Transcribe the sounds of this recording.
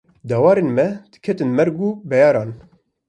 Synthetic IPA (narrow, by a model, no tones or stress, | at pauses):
d̪ɑːwɑːɾeːnmɛd̪̥ɨ̥kʰɛt̪ɨnmɛɾɡuːbɛjɑːɾɑːn